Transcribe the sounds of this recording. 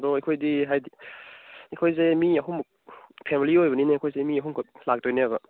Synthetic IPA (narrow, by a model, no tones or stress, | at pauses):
dɔɐjkʰojdiɦajdi | ikʰojzemiɐɦum | pʰemiliojbɐninejkʰojzemiɐɦumkʰolak̚tojneabɐ